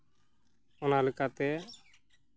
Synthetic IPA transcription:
ʊnaːləkaːt̪eː

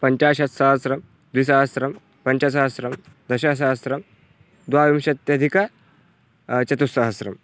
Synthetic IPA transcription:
pɐɲt͡ɕaːɕɐt̪sɐɦɐsɾɐm | d̪ʋiːs̬ɐɦɐsɾɐm | pɐɲt͡ɕas̬ɐɦɐsɾɐm | d̪ɐɕas̬ɐɦɐsɾɐm | d̪ʋaːʋimɕɐt̪jɐd̪ʱika | t͡ʃɐt̪ussɐɦɐsɾɐ̰m

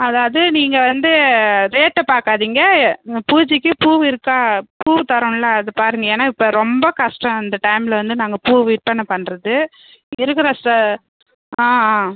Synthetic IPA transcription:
ɐðaːʋɐðɯniːŋɡɐʋɐnd̪ɯɾeːʈːɐpaːɾkaːðiːŋɡɐpuːd͡ʒɪkːɯpuːʋɪɾɯkːaːpuːʋɯt̪ɐɾɐnɪlːɐːðɐpaːɾɯŋɡɐeːnaːɪpːoɾɔmbɐkɐʂʈɐ̃mɪnd̪ɐʈɐɪmɪlɐʋɐnd̪ɯnaːŋɡɐpuːʋɪʈ̚pɐnːɐpɐɳɾɐðɯ | ɪɾɯkːɪɾɐsɐ | aː

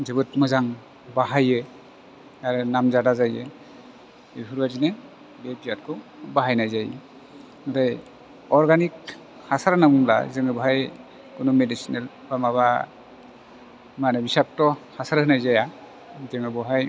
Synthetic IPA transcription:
zɯbɯt̚mɯzaŋ | baɦaje | aɾɯnamzadazaje | epʰuɾwazine | bebijat̚kʰubaɦajnajzaj | ɯdaj | ɔɾɡanik̚ | hasaɾanabumla̰zɯŋɯbɔɦaj | kunumedisinelpamaβa | manebisak̚tɔhasaɾhɯnajzaja | zeŋɯbɔɦaj

